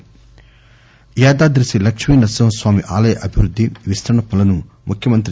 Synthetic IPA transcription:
jaːd̪aːd̪ɾisilɐkʂmiːnɐsɐmɐsʋaːmiʔaːlɐjɐʔɐbʱiʋɾud̪ʱːiʋist̪ʰɐɳɐpːɐlɐnu | mukʰjɐmɐnt̪ɾi

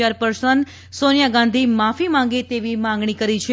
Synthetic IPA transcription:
aɾpəɾsənd̪ | sonjaɡãn̆d̪ʱimafimãŋ̆ɡet̪eʋimãŋɡɳ̃ikəɾit͡ʃʰe

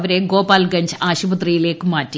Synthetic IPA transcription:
ʋɐɾeɡoːpaːlɡɐɲd͡ʑaːɕubɐt̪̬rijileːkːɨmaːtːi

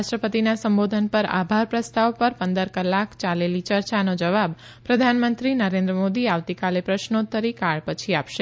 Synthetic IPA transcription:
ʃʈɾəpət̪inasə̃mbod̪ʱənpəɾa̰bʱaɾpɾəst̪aʋpəɾpənd̪əɾkəlːakt͡ʃalelit͡ʃəɾt͡ʃanod͡ʒəʋab | pɾəd̪ʱanmənt̪ɾinəɾẽnd̪ɾəmod̪iaʋt̪ikalepɾəʃnot̪ʰːəɾikaɭpət͡ʃʰiapʃe

